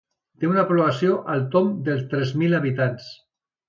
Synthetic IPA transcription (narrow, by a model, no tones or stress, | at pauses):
t̪eunapɾoβasioʔalˠt̪omd̪əlˠst̪ɾɛzmilaβit̪ans